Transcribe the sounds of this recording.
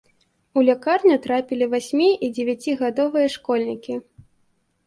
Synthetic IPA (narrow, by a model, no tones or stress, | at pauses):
ulʲakarnʲut̪ɾapʲilʲivasʲmʲiʔid͡zʲevʲat͡sʲiɣad̪ɔvɨjɐʂkɔlʲnʲikʲi